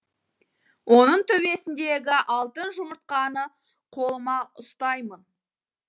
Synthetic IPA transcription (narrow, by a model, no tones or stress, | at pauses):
wʔo̞nəɴt̪ʰɵβe̞sɪnd̪e̞ɡʲɪʔɑlˠt̪ənʒʊməɾt̪̚qɑnə | qʰo̞lˠəmɑʊst̪ɑjmən